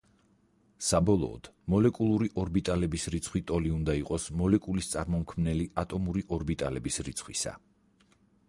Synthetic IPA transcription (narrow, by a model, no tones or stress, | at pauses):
sabɔlˠɔ̰ːd̪̥mɔlɛkʼulˠuɾiʔɔɾbit̪ʼalɛbisɾit̪sʰχwit̪ʼɔliund̪aiqʼɔsmɔlɛkʼulist̪sʼaɾmɔmkʰmnɛliat̪ʼɔmuɾiʔɔɾbit̪ʼalɛbisɾit̪sʰχwisa̰